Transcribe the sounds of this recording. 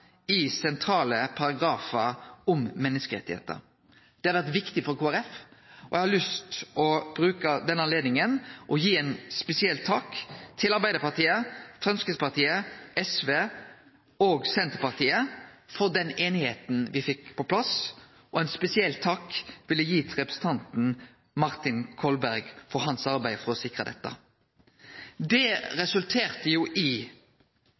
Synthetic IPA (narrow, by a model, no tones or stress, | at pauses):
ɪsɛnt̪ʰɾɑːləpʰɑɾɑɡɾɑːfəɔmmɛnːəskəɾɛ̰t̪ːɪhḛːt̪ə̰ɾ | d̪̥ɛhɑɾʋæʁt̪ʋɪkt̪ɪfɔɾkʰuːæɾɛfɔ̰ʔjɛɪhɑlʏst̪ɔb̥ɾʉːkəd̪ɛnːɑnleːd̪nɪŋənʔɔjiːɛnspɛsɪɛlt̪ʰːɑːkt̪ʰɪlɑɾbæɪd̪əɾpɑʁt̪iːəfɾɑnskəspɑʁt̪ʰiːəɛsʋeː | oːɡsɛnt̪əpɑʁt̪ʰiːəfɔʁd̪ɛneːnɪheːt̪n̩ʋɪfɪkpʰɔpʰlɑs | ɔɛnspɛsɪɛlt̪ʰːɑkʋɪlːəjiːt̪ʰɪlʁɛpʁəsn̩t̪ʰɑnt̪n̩ | mɑʁt̪ɪnkʰɔlbæɾɡfɔʁɦɑnsɑʁbæɪfɔʁɔsɪkʁəd̪ɛ̰t̪ːə̰ | d̪ɛɾɛsʉlt̪ʰeːʁt̪əjuːʔɪ